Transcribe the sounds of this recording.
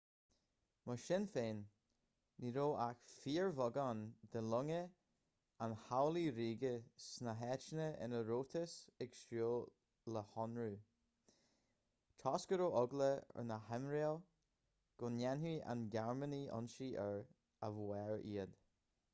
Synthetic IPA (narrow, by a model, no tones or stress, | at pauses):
məʃɪnfeːnː | iɾoːʔaxfiːɹvɔɡand̪əlʊŋə | anhawliɾiːɡəsnəɦɛt͡ʃnəɪ̰nəɾoːt̪ʰəsɛɡʃoː | ləhɔnɹu | t̪ʰɔskəɾoːʔɔɡləə̰nəhɛmɾil | ɡ̥ʊnjɛnɦiʔa̰nɡaɹməniʔɔ̰nʃiʔəɹ | əvwɛɹiːəd̪̥